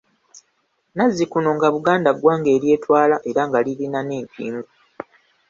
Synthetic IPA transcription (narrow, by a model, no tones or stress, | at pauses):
nazːikuno̞ŋɡaβuɡaːndaɡwaːŋɡe̞ːɾje̞ːtwaːlaʔe̞ɾaŋɡalilinaneːmpʰḭːmɡu